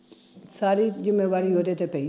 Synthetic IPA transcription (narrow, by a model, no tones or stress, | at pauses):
saːɾizɪmːeːʋaːɾijoːd̪et̪epeĩ